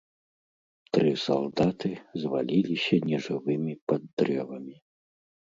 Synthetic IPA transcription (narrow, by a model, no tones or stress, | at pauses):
t̪ɾɨsa̰lˠd̪at̪ɨzvalʲilʲisʲɐnʲɛʐɨvɨmʲipad̪ːɾɛvɐmʲi